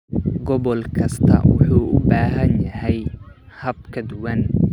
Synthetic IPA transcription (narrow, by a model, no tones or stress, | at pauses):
ɡɔβɔlkʰɐst̪ʰɐ̰wʊ̰ħuːʊbaːɦɐnjɐɦɛjhɐb̚kʰɐd̪ʊwɐn